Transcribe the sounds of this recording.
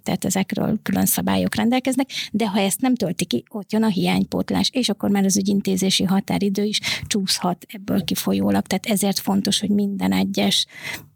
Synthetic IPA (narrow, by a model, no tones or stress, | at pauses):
t̪a̰ːt̪ɛzɛkrø̰ːlkylønsɒba̰ːjo̞̰krɛnd̪ɛlkɛznɛkd̪ɛɦɒɛst̪nɛmt̪ølt̪ikio̞t̪jønɒɦijaːɲpo̰t̪la̰ːʃeːʃɒkːo̞rmaːɾɒzyɟint̪eːzeːʃiɦɒt̪a̰ːɾid̪øːiʃt͡ʃuːshɒt̪ɛbːø̰ːlkifo̞joːlɒk̚t̪ɛaːt̪ɛzeːrt̪fo̞nt̪o̞ʃho̞ɟmind̪ɛnɛɟːɛʃ